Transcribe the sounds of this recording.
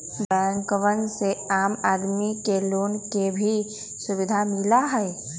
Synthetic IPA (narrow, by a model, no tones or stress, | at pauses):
bɛnkəʋənseaːmaːd̪mikeloːnkebʱi | sʊʋɪd̪ʱamɪlaɦɛɛ